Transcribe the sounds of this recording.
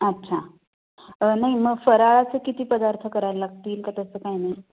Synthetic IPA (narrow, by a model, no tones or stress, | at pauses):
ətːɕʰa | ənaɦiməɡfəɾaɭat͡sekit̪iːpəd̪aɾt̪ʰəkəɾaɾlaɡ̚t̪iːlkat̪əsəːkaɦinaɦi